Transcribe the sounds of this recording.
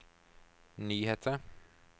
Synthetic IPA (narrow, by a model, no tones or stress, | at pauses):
nyːheːt̪ʰə